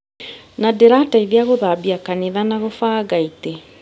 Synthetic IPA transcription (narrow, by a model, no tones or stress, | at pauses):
nadeɾataiðjaɣoðabiakaniðanaɣofaːɡaite